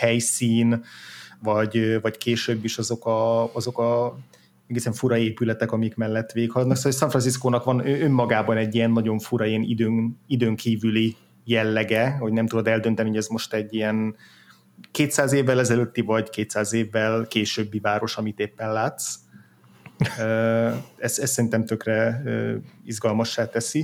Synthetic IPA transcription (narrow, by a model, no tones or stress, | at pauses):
hɛjsiːnvɒɟøvɒckeːʃøbːiʃɒzo̞kɒɒzo̞kɒ | ɛɡeːsɛɱfuɾɒeːpylɛt̪ɛkɒmijkmɛlːɛt̪ːʋeːkhɒlɒd̪nɒksolːsɒɱfrɒns̬iskoːnɒkʋɒnøømːɒɡaːbɒnɛɟːiɛnːɒɟo̞ɱfuɾɒiɛnḭd̪øːŋid̪øːŋkʰiːvyli | jɛlːɛɡɛho̞ɟnɛmt̪ud̪o̞d̪ɛld̪ø̞nt̪ɛniɦo̞ɟɛzmo̞ʃt̪ɛɟːijɛn | keːt̪saːzeːvːɛlɛzɛløt̪ːivɒɟkeːt̪saːzeːvːɛlkeːʃøːbːivaːɾo̞ʃɒmit̪eːpːɛnlaːt̪s | øːɛsɛssɛɾint̪ɛmt̪økrɛø̰ːizɡɒlmɒʃːaːt̪ɛsi